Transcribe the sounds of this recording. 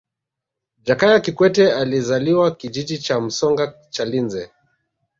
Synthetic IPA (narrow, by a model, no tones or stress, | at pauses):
d͡ʒakajakikwɛtɛalizaliwakid͡ʒid͡ʒit͡ʃam̩sɔŋɡa | t͡ʃalinzɛ